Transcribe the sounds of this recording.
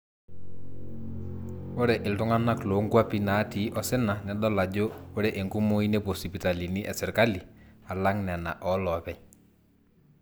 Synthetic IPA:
ʊ˦ɾɛ˨ʔɪ˨ltʊ˦ŋa˦na˦klo˨˦ŋɡwa˦pi˦na˨˦tiː˨˦ʔɔ˦sɪ˦na˨nɛ˨˦ɗɔ˦la˨d͡ʒo˦ʊ˦ɾɛ˨ʔe˨ŋkʊ˦mo˦i˦ne˦po˨si˨pi˨ta˨li˨ni˦ʔɛ˨sɪ˨ɾka˦li˨a˨la˦ŋnɛ˨na̰˨ʔɔ˦lɔ˨pɛ˦ɲ

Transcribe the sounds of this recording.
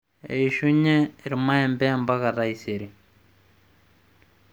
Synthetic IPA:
ḛiʃu˦ɲɛ˦˨ɾima˦ɛ˨mbɛ˦mba˦ka˨ɾaiseɾi˨

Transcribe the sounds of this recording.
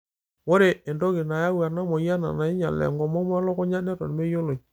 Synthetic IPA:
wo˦ɾe˨e˨ndɔ˦kɪ˨na˨ja˦wa˨na˦mɔ˨ja˦na̰˨na˨ɪ˦ɲa˨lɛ̰˨ŋɡɔ˨mɔ˦m˦a˦lɔ˦kɔ˦ɲa˦nɛ˦tɔ˨n˨me˦jo˦lo˨

